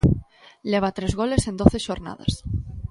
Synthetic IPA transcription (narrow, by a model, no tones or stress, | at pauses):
leβ̞at̪ɾezɣo̞le̞se̞nd̪oθeʃoɾna̰ð̞a̰s